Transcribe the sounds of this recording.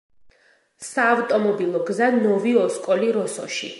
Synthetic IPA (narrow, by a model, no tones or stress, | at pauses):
saːvt̪ʼɔmɔbilˠɔɡzanɔviɔskʼɔliɾɔsɔ̰ʃḭ